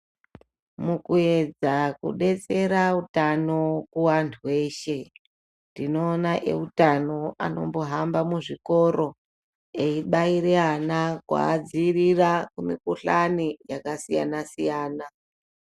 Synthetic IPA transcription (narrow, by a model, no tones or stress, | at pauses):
mukue̞d͡zakṵɗe̞t͡se̞ɾautano̞kuwantʰuwe̞ːʃe̞ | ndino̞ːnaʔḛutano̞a̰no̞̰mbo̞ɦambamuʐiko̞ɾo̞ | eiɓaiɾeanakwa̰ːd͡zirirakumikuɬanijakasija̰nasijaːna